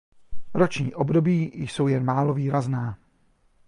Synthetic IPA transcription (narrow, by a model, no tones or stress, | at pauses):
ɾot͡ʃɲiːʔobdo̞biːjso̞wjɛnmaːloviːɾaznaː